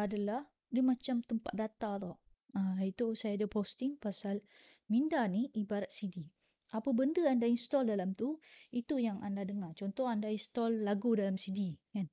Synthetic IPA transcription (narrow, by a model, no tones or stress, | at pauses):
adalah | dimat͡ʃamt̪əmpat̪̚dat̪at̪ɔʔ | ait̪usajadəpost̪ɪŋpasal | mindaniibaɾat̪̚sidi | ʔapəbəndəandainst̪ɔldalamt̪uit̪ujaŋʔandadəŋat͡ʃɔnt̪ɔhandainst̪ɔlːaɡudalamsidikan